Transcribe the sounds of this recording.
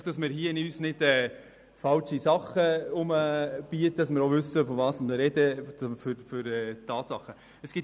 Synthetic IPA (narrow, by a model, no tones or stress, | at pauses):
χd̥ɑsmɪːɾhiəɪnyːsnɪd̥ɛː | fɑlʃisɑχəʊməb̥iətdɑsmɪːɾoʋʏsəfɔvɑːsmɾɛdəfɾfʏɾɛːt̪ʰːɑːt̪sɑχːə | əsɡ̥ɪ